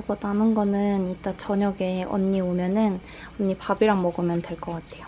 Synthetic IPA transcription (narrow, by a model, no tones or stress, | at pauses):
bʌdanɯnɡʌnɯniɭt͈at͡ɕʌɲʌɡe̞ʌ̰ɲːiomjʌnɯn | ʌɲːipabiɾaŋmʌɡɯmjʌntwe̞ɭk͈ʌk͈atʰe̞jo